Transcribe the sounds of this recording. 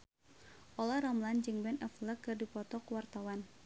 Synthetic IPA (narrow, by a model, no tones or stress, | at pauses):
ʔɔlaɾɔmland͡ʒɨŋbɛnɛfləkːɨrdipɔt̪ɔkəwart̪awan